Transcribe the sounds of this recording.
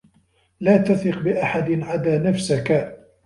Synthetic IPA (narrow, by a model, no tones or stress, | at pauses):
laːt̪aθɪqbɪʔaħad̪nʕad̪aːnafsaka